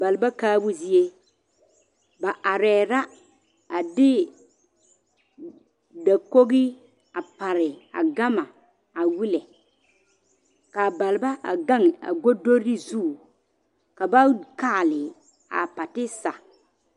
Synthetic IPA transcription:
ba˨lɪ˨ba˦kaː˦bʊ˦zi˦e˦ | ba˨ʔa˨ɾɛː˨ɾa˦ | a˨dɪ˦ | da˨ko˦ɣɪ˦ | a˨pa˨ɾɪ˨a̰˨ɡa˦ma˨ | a˨wi˦lɛ˨ | ka˨ba˨lɪ˨ba˦ʔa̰˨ɡa˦ŋ˨a̰˨ɡo˦do˦ɾɪ˦zu˦˨ | ka˨ba˦kaː˦˨lɪ˨ | a̰˨pa˨tɪ˦sa̰˨

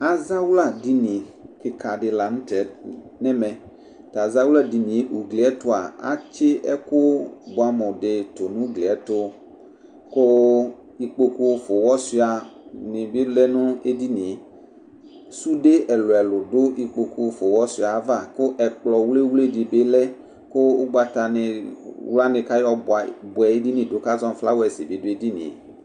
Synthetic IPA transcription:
a˨za˦wla˦˨di˦nĩ˨kɪ˨ka˨ɖɪ˨la˨nũ˦t̪ɛ˨˦nɛ̃˦mɛ̃˨ | t̪a˨za˦wu˦la˦di˨nĩ˨˦u˨ɡle˨ɛ˦t̪ʊ˦a˨a̰˦t͡ʃe˦ɛ˦kʊ˦bo˨a˨mɔ̃˨ɖe˨t̪o˨nũ˦ɡle˨ɛ˦t̪o˦ | ko˦ | i˨k͡po˦ku˦fo˨wɔ˦si˦a˨nɪ̃˨be˦lɛ˦nʊ̃˦e˦di˦nĩ˨ | su˦ɖe˦ʔɛ˨lo˨ɛ˨lʊ˨dʊ˦ʔi˨k͡po˨ku˨fo˨wɔ˦si˦a˨˦va˦˨kʊ˦ʔɛ˨k͡plɔ˨wle˦wle˦di˨be˦lɛ˦ | kʊ˦ʊ˦ɡ͡ba˨t̪a˨nɪ˨wla˦nɪ̃˨ka˦jɔ˦˨bʊ˨ɛ˨e˦di˦nĩ˨do˦ka˦zɔ̃˦m˦fla˦wɛ˨sɪ˨be˨dʊ˦e˦di˦nḭ̃˨

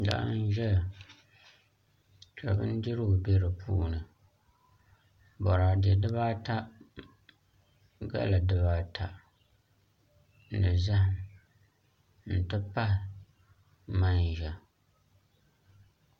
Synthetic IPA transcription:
da̰˦n̩˦ʒɛ˦a˨ | t͡ʃa˨bɨ˦n˦di˦ɾɨ˦ʊ˨be˦ɾɨ˨pʰṵː˦nɨ˨ | bɔ˨ɾaː˨dɛ˨dɨ˦βaː˦ta˦ | ɡa̰˦la˨dɨ˦βaː˦tʰa˨ | dɨ˨za˦h | n̩˨tɨ˦pa˦h | ma˦n˨ʒɛ˨

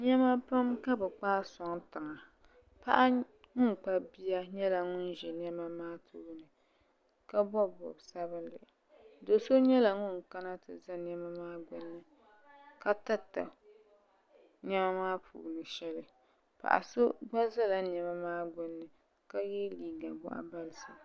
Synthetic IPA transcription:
ɲɛ˦ma˦pa˦mka˦bɨ˨k͡paː˦sɔ˨ŋtɨ˨ŋa˨ | pa̰˦ʔa˦ | ŋʊ˦n˨k͡pa˦bi˦a˦ɲɛ˦la˨ŋʊ˦n˨ʒɛ˨n˦ɛ˦ma˦maː˦tʰṵː˦nɨ˨ | ka˦bɔ˦bɔ̰˨bsa˦βɨ˦nlɨ̰˨ʔ | do˨so˦ɲɛ˦la˨ŋʊ˦n˨ka˦na˦tɨ̰˨za˦nɛ˦ma˦maː˦ɡʊ˦nːɨ˦ | ka˦ta˦ta̰˨ | ɲɛ˦ma˦maː˦pʰṵː˨nɨ˨ʃɛ˦lɨ˨ | pa̰˨ʔa̰˨so˦ɡ͡ba˦za˦la˦nɛ˨ma˦maː˦ɡʊ˦nːɨ˨ | ka˦jɛ˦liː˨ɡa˨bʊ̰˦ʔa̰˦ba˦lɨ˨sɨ˨

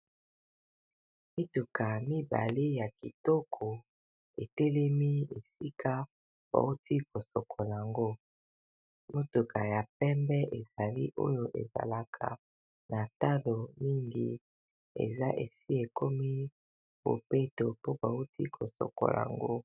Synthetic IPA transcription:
mi˦tu˨ka˨mi˦ba̰˨li˦ja˨ki˨tɔ˦kʰɔ˨ | e˨tɛ˦lɛ˦mi˦e˨si˦ka˦ | b̥a̰˨u˦tʰi˦ko˨sɔ˨kʰɔ˨la˨a˨ŋɡo˦ | mo˦tu˨ka˨ja˨pɛ˦mbɛ˦ʔe˨za˨li˦ʔo̰˦jo˦ʔḛ˨za̰˨la˨kʰa̰˨ | na˨ta˦lo˨mi˦ŋɡi˨ | ḛ˨za˦ʔḛ˨si˦e˨ko˦mi˦ | b̥o̰˨pe˦to˨po˦ba˨u˦tʰi˦kʰo˨sɔ̰˨ko̰˨la̰˨a̰˨ŋɡo˦

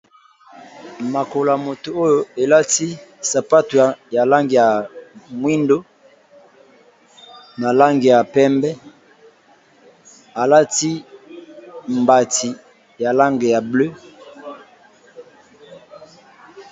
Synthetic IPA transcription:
ma˨ko˨la˨mo˨to˨o˦jo˨e˨la˦ti˦sa˨pa˦tu˨ja˨ja˨la˦ŋɡi˨ja˨mwi˦ndo˦ | na˨la˦ŋɡi˨ja˨pɛ˦mbɛ˦ | a˨la˦ti˦ | mba˨ti˨ | ja˨la˦ŋɡe˨ja˨blø˦

